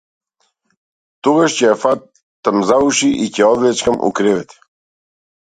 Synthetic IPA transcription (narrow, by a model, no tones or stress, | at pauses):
t̪ɔɡaʃcɛjafa | t̪amzauʃiʔicɛɔd̪lɛt͡ʃkamʔṵkɾɛvɛt̪ɛ̥